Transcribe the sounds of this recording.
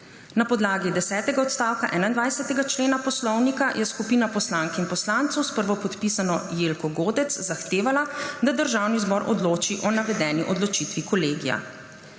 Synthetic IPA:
napɔd̪laːɡid̪ɛsɛːt̪ɛɡaɔt̪st̪aːwkaʔɛːnaind̪ʋajsɛt̪ɛɡat͡ʃleːnapɔslɔwnikajʔɛskupiːnapɔslaːŋkinpɔslant̪sɔwspəɾʋɔpɔt̪pisanɔjeːlkɔɡoːd̪ɛt̪szaxt̪eːʋalad̪ad̪əɾʒaːwnizbɔɾʔɔ̰d̪loːt͡ʃiʔɔnaʋɛd̪ɛːniʔɔd̪lɔt͡ʃit̪ʋikɔleːɡija̰

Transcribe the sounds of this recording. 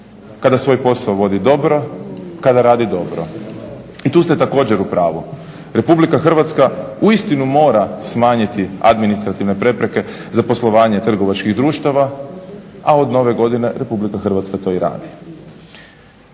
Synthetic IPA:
kad̪asʋo̞jpo̞saoʋo̞d̪id̪o̞bɾo̞kad̪aɾaːd̪id̪o̞bɾo̰ | it̪uːst̪et̪ako̞ːd͡ʑeɾupɾaːʋu | ɾe̞publikaxr̩ʋat̪skauist̪inumo̞ːɾasmaːɲit̪ia̰d̪minist̪ɾat̪iʋne̞pɾe̞pɾe̞ke̞ | zapo̞slˠo̞ʋaːɲe̞t̪r̩ɡo̞ʋat͡ʃkiɣd̪ɾuːʃt̪aʋa | ao̞d̪no̞ʋe̞ɡo̞d̪ine̞ɾe̞publikaxr̩ʋat̪skat̪o̞ːiɾa̰ːd̪i

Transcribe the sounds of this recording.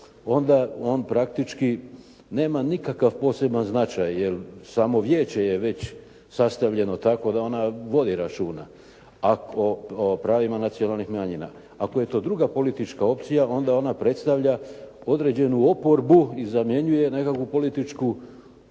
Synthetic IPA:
o̞nd̪ao̞ːnpɾak̚t̪it͡ʃki | ne̞ːmanikakaʋpo̞se̞banznat͡ʃajːje̞lsaːmo̞ʋje̞ːt͡ɕe̞je̞ʋe̞t͡ɕ | sast̪aʋʎe̞no̞t̪ako̞d̪ao̞naʋo̞d̪iɾat͡ʃuːna | akopɾaːʋimanat̪sijo̞nalˠnixmaɲina̰ | ako̞je̞t̪o̞ːd̪ɾuɡapo̞lit̪it͡ʃkao̞p̚t̪sijao̞nd̪ao̞napɾe̞t̪st̪aʋʎao̞d̪ɾed͡ʑe̞nuo̞po̞ɾbuizamje̞ɲuje̞ne̞kakʋupo̞lit̪it͡ʃku

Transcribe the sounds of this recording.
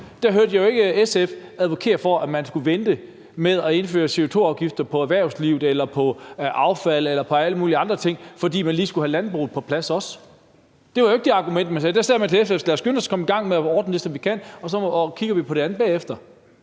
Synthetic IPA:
d̥æɦøɐd̥jajoe̝ɡ̥əesefæðˠʋo̝kʰe̝̰ːɐfɒʔæmænsɡ̥uʋend̥ə | meðˠɒe̝nfø̰ːɐse̝o̝t͡sʰo̝̰ːɑ̈ʊɡ̥ifd̥ɐpʰɒ̽æɐʋæɐʊsliʊð̩ˠelɐpʰɒ̽ʔɑ̈ʊfæl̰elɐpʰɒ̽æləmuːliəɑ̈nd̥ʁɐt͡sʰe̝ŋ̰fɒ̽dḭːmænliːsɡ̥uhælænb̥ʁṵːð̩ˠpʰɒ̽pʰlæsɒ̽s | d̥eʋɑ̈joeɡ̥̚d̥eɑ̈ɡ̥umen̰d̥̚mænsɛːd̥æsæɛ̰mænt͡sʰe̝lefd̥eflæɐsɡ̥ønskʰɒ̽məiɡ̥ɑ̈ŋ̰meæɒːd̥n̩əd̥e̝sɒ̽mʋikʰæn̰ɒ̽sɒ̽kʰiɡ̥ɐʋipʰɒ̽ɾ̥eænð̩ˠb̥ɛ̰ːefd̥ɐ

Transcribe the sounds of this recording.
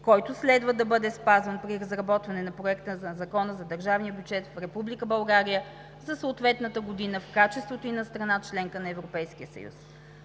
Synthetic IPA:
kɔjt̪ʊslɛd̪vəd̪ɐbɤd̪ɛspazvənpɾiɾɐzɾɐbɔt̪vɐnɛnɐpɾoɛkt̪əzzɐkɔnəzɐd̪əɾʒavnijəbʲjud͡ʒɛt̪fɾɛpublikəbɐlˠɡaɾijə | zɐsəʊt̪vɛt̪nət̪əɡod̪inəfkat͡ʃɛst̪vot̪oinɐst̪ɾɐnat͡ʃlɛŋkənɐɛvɾopɛjsk̟ijəsə̰jṵs

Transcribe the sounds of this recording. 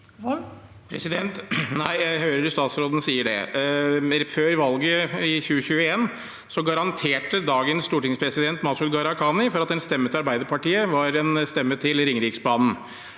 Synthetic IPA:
pʰɾɛ̰sɪd̪ɛnt̪næɪjæɪɦøːɾəɾst̪ɑːt̪sɾoːd̪ənəsiːəɖɛ̰ | føːɾʋɑlɡəɪçʉːəçʉːəeːn | sɔɡɑɾɑnt̪ʰeːʈəd̪ɑːɡənsst̪uːʈɪŋspʰɾɛsɪd̪ɛnt̪mɑsʉlɡɑɾɑkʰɑːnɪfɔɾɑt̪ɛnst̪ɛmːət̪ɪɑɾbæɪd̪əpɑʈiːəʋɑɾɛnst̪ɛmːət̪ʰɪlɾɪŋɾɪksbɑːnn̩

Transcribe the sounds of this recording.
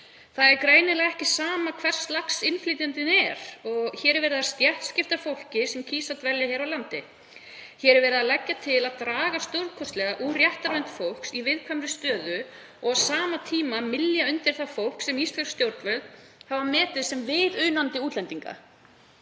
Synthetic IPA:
θaðɛɾkɾeːjnɪlaɣɛhcɪsaːmakʰv̥ɛr̥st̪laksɪnfliːt̪ɪnt̪ɪnɛɾ̥ɔɣçɛːɾɛɾvɛːɾɪðast̪jɛht̪scɪft̪afowl̥cɪsɛmcʰiːsat̪vɛljaçɛɾawlant̪ɪ | çɛːɾɛɾvɛːɾɪðalajcːat̪ʰɪlaðt̪ɾaːɣast̪owɾðkʰɔst̪lɛɣaʔuːrjɛht̪aɾvɛnt̪fowl̥ksivɪðkʰvamɾʏst̪œːðʏ | ɔɣsaːmat̪ʰiːmamɪljaʏnt̪ɪɾ̥θafowl̥ksɛmist̪lḁst̪jowɾt̪vɛð | havamɛːt̪ɪðsɛmvɪðʏːnant̪ɪuːt̪lɛnt̪iŋka̰

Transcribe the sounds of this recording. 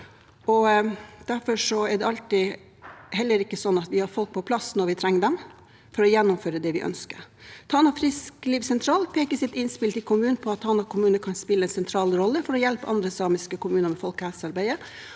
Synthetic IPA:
ɔd̪̥æɾfɔʂɔɛd̪ɛɑlt̪ɪ | ɦɛlːəɾɪkːəsɔnːɑt̪ʋɪhɑɾfɔlk̚pʰɔpʰlɑsnɔɾʋɪt̪ʰɾɛŋːəd̪ɛm | fɔɾɔjɛnːʊmføːɾəd̪ɛʋɪʔœ̰nskəɾt̪ʰɑːnɑfɾɪskliːʋsɛnt̪ʰɾɑːlpʰeːkəsɪt̪ɪnspɪlt̪ɪkʰʊmʉːnpʰɔɑt̪ʰːɑːnɑkʰʊmʉːnəkʰɑnspɪlːəɛnsɛnt̪ʰɾɑːlɾɔlːəfɔɾɔjɛlpəʔɑnd̪ɾəsɑːmɪskəkʊmʉːnəɾmɛfɔlkhɛsɑɾbæɪə

